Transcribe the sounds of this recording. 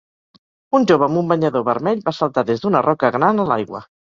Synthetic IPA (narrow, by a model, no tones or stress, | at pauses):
unʲʒoβ̞əːmumbəɲəðoβəɾmɛʎbasəlˠt̪aðezd̪unərʔɔkəɣɾanəla̰jɣwə̰